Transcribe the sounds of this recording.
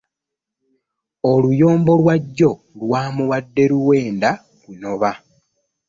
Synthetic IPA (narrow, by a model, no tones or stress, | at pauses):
olujo̞ːmbo̞lwaɟːo̞ | lwaːmuwadːe̞ɾuwe̞ːnda | kuno̞βa